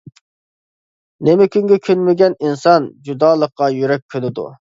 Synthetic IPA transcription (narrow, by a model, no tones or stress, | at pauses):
nemɪkʲyŋɡʲɛkʲʰynmɪɡʲɛninsɑnd͡ʒud̪ɑːlˠəqːɑjyɾɛk̚ʲkʲʰːønɪd̪ṵ